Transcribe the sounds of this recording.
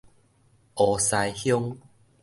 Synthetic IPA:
ʔɔ˨˩sa˧jhjɔ˦ŋ

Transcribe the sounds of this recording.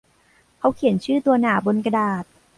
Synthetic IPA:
kʰa˧˦˥wkʰi˨˩˦nt͡ɕʰɯː˥˩t̪u˧ɐnaː˩˦bo˧nka˧daː˨˩t̪̚

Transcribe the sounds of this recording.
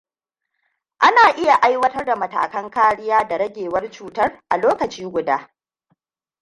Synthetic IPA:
ʔa˦naː˨ʔɪ˦ja˨ʔa˦jwɐ˦tɐ˦rda˨mɐ˨ta̰ː˨kɐ˦ŋkaː˦ɽɪ˦jaː˦da˨ɾɐ˦ɡʲeː˨wɐ˦rt͡ʃuː˨tɐ˦rʔa̰˨loː˦kɐ˨t͡ʃiː˦ɡʷʊ˨daː˦

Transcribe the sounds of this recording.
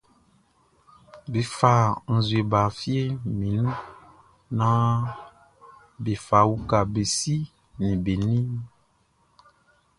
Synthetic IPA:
be˨fa˨n̩˨zwe˨ba˨fi˦e˦mĩ˨nũ˦ | nã˦ | be˨fa˨wu˦ka˨be˨si˦ | nĩ˨be˨nĩ˦

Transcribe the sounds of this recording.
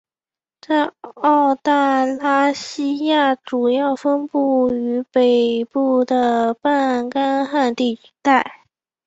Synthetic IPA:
t͡sa˥˧ɪɑ˥˧ʊt̪a˥˩ɪla˥ɕi˥ja˥˩ʈ͡ʂu˨˩jɑ˥˩ʊfə˥npu˥˩y˧˥pe˨˩ɪpu˥˩d̪ə˩pa˥˧nka˥nxa˥˧nt̪i˥˩y̥˧˥t̪a˥˩ɪ

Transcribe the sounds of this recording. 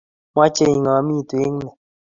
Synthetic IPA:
mwa˦t͡ʃe˦˧˦ɲi˨ŋã˨˦mĩ˦˨t̪u˨e˦ŋ˦nɛ˨

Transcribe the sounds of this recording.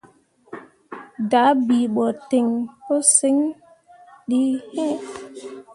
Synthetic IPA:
da˨˦bi˨ɓɔ˨te˨ŋto˦si˦ŋ | ɗi˦hɛ̃˦

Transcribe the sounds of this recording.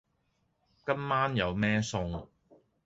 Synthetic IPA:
kɐ˥mːaː˥njɐ˨˧wmɛː˥sʊ˧ŋ

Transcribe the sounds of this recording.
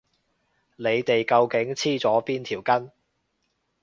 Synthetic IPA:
ne˨˧jt̪e˨jkɐ˧wkɪ˨˥ŋt͡sʰiː˥t͡sɔː˨˥piː˥nt̪ʰiː˨˩wkɐ˥n

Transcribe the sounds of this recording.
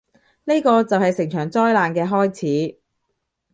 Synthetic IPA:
ne˥jkɔː˧t͡sɐ˨whɐ˨jsɪ˨˩ŋt͡ʃʰœː˨˩ŋt͡sɔː˥jlaː˨˧nkɛː˧ɦɔː˥jt͡sʰiː˨˥

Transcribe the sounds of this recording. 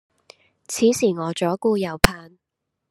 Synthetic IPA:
t͡sʰiː˨˥siː˨˩ŋɔː˨˧t͡ʃɔː˨˥kuː˥˧jɐ˨˧wpʰaː˧n

